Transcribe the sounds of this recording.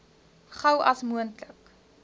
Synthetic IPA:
χɐwɐsmuəntlək

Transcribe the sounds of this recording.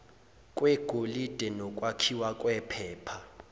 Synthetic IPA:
kʼwɛɡ̥ʱolid̥ʱɛnɔkʼwakʰiwakʼwɛpʰɛːpʰa

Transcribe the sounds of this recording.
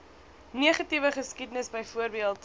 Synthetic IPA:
niəχɐtivəχəskidənəsbəjfuərbiəlˠt

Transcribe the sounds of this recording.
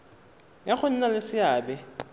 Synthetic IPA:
jaχʊn̩nalɪsɪaːbɛ

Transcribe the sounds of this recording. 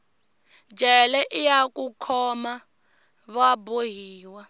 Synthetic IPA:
d͡ʒʱɛlɛʔijakʼukʰɔma | βaboɦiːwa

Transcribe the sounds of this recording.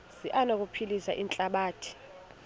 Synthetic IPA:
siʔanok̬ʼupʰilisa̰ʔint͡ɬʼaɓaːtʰi̥

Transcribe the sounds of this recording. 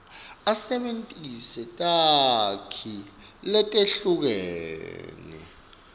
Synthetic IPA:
asɛɓentʼisɛtʼakʰi | lɛtʼeɬuk̬ɛːnɛ̰

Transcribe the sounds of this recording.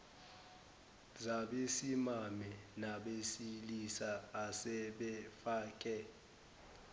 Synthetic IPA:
zaɓesimamɛnaɓesilisaːsɛɓɛfaːkʼɛ

